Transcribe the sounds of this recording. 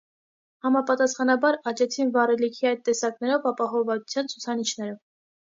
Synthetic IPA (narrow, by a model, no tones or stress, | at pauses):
hɑmɑpɑt̪ɑsχɑnɑbɑɾɑt͡ʃɛt͡sʰinvɑɾɛlikʰiɑjt̪̚t̪ːɛsɑknɛɾɔvɑpɑɦɔvɑt͡su̥t͡sʰjɑnt͡sʰut͡sʰɑnit͡ʃʰnɛɾə